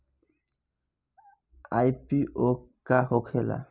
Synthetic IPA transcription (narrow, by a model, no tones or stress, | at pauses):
ajpiʔokahokʰela̰